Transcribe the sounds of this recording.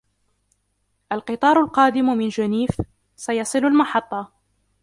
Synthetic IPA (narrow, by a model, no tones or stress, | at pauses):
ʔalqɨt̪ˤɑːɾˤʊlqɑːd̪ɪmmɪnd͡ʒaniːf | sajɑsˤɨlalmɑħɑt̪ˤːɑ